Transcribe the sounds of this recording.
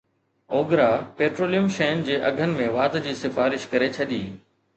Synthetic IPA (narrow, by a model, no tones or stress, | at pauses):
oːɡɾaːpeːʈɾoːlijəmʃɐːɪnd͡ʑeːʔɐɡʱənɪ̆mẽʋaːd̪d͡ʑiːsɪfaːɾɪʃkɐɾet͡ɕʰɐɗ̪iː